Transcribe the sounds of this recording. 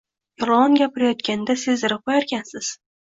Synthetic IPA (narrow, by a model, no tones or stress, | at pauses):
jolˠɑnɡʲapɪɾajɒt̪kʲand̪asɪzɪɾɨqojaɾkʲʰansɪz̥